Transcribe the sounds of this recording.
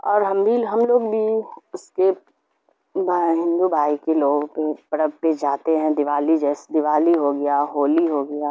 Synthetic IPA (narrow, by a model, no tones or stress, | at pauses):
ɔːɾɦɐmbʱiɦɐmloːɡbʱiʊske | bɦɪ̃nd̪ubʱaːikeloːɡpepəɽəbped͡ʒaːt̪eɦɛ̃d̪ɪʋaːlid͡ʒɛːsed̪ɪʋaːliɦoɡɐjaːɦoːliɦoɡɐjaː